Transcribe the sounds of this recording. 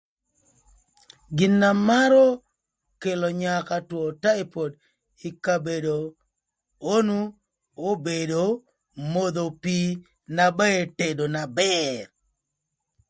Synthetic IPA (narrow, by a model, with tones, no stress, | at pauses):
ɡɪ˨nːa˨ma˦ɾɔ˦ | ke˨lo˨ɲa˨ka˨twɔ˨ta˦e˦po˨d | i˨ka˨be˨do˨ | o˦nu˦ | o˦be˨do˨ | mo˦d̪o˨pi˦ | na˨ba˦e˦te˨do˨na˨bɛr